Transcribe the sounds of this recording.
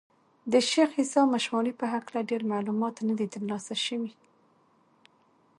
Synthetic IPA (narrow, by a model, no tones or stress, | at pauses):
d̪əʃexhisɑmaʃmɑnipəɦaklaɖeɾmalumɑt̪nad̪it̪əɾlɑsaʃəwi